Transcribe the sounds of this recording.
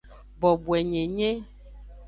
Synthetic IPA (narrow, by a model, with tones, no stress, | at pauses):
bɔ˨bu˨ɛ˨ɲẽ˨ɲẽ˦